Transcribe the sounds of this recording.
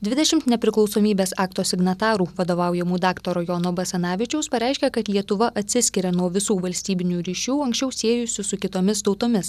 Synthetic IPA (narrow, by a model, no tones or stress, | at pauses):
d̪ʲʋʲɪd̪ʲɛʃʲɪmt̪nʲɛpʲɾʲɪklˠɒʊsoːmʲiːbʲeːsɑːkt̪oːsʲɪɡnɐt̪ɑːɾuːʋɐd̪oːʋɑˑʊjɛmuːd̪ɑːkt̪oɾoːjoːnoːbɐsʲɛnɑːʋʲɪt͡ʃʲɛʊspɐɾʲɛˑɪʃʲkʲɛkɐt̪lʲiɛt̪ʊʋɐʔɐt̪ʲsʲɪsʲkʲɪɾʲɛnuɔʋʲɪsuːʋɐlʲsʲt̪ʲiːbʲɪnʲuːɾʲiːʃʲuːɐŋksʲt͡ʃʲɛʊsʲeːjʊsʲʊsʊkʲɪt̪oːmʲɪst̪ɒʊt̪oːmʲɪs